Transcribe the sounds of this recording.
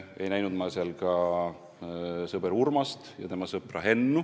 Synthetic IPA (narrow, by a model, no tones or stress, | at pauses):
e̞jnæjnud̪mɑseɑlkɑ | sɤbeɾurmɑst̪jɑ̰t̪emɑsɤprɑɦe̞nːu